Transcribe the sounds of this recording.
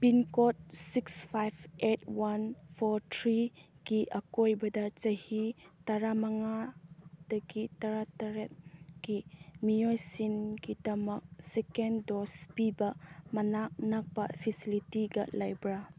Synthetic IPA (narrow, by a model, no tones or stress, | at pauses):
pinkot̚sikspʰajbetwanpʰoɾtʰɾi | ɡ̥iʔɐkojbɐdɐt͡ʃɐhitɐɾamɐŋad̥ɐɡitɐɾatɐɾet̚ɡimijojsinɡidɐmɐk̚sekendospibɐmɐnak̚nɐk̚pɐ̰pʰisilitiɡɐ̰lajbɾa